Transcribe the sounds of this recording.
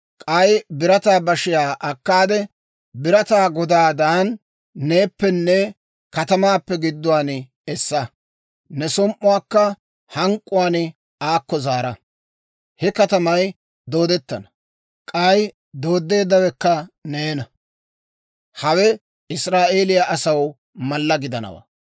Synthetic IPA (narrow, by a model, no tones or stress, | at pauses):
kʼɐjbɪɾɐt̪aːbɐʃɪjaːʔɐkːaːd̪ɛ | bɪɾɐt̪aːɡɔd̪aːd̪aːnː | eːpːɛnːɛ | kɐt̪ɐmaːpːɛɡɪd̪ːʊwaːnɪ | ɛsːɐ | nɛsɔmʔʊwaːkːɐ | hɐŋkʼːʊwaːnɪ | aːkːɔzaːɾɐ | hɛkɐt̪ɐmɐj | d̪o̞ːd̪ɛt̪ːɐnɐ̥ | kʼɐj | d̪o̞ːd̪ːe̞ːd̪ːɐwɛkːɐneːnɐ | hɐwɛ | ɪsɾaːʔe̞ːlɪjaʔɐsɐw | mɐlːɐɡɪd̪ɐnɐ̰wa̰ː